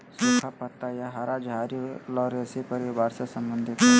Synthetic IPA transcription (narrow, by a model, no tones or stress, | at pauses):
sukʰapət̪ːajaɦaɾad͡ʒɦaɾilɔːɾesepəɾibaɾsasəmbənd̪ʱit̪